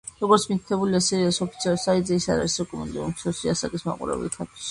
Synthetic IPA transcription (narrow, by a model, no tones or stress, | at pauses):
ɾɔɡɔɾt̪sʰmik̪̚ʰt̪ʰɛbuliasiɾiasɔpʰi̥t̪sʰiɔlˠsait̪ʼzɛisa̰ɾa̰ɾisɾɛkʼɔmṵnd̪iusɔsiasakʼisma̰qʼṵɾɛ̰bɛ̰lk̪ʰat̪ʰi̥ʃ